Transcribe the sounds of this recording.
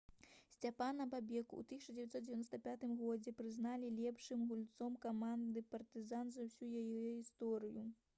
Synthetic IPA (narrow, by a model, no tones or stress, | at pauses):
sʲt͡sʲapanɐbabʲɛkṵt̪ɨsʲit͡ʂɐd͡zʲevʲat̪sɔt̪̚d͡zʲevʲanɔst̪ɐpʲat̪ɨmɣɔd͡zʲɛpɾɨznalʲilʲɛpʂɨmɣulʲt̪sɔmkamand̪ɨpɐrt̪ɨzanzɐwsʲujajɛɣʲist̪ɔɾɨju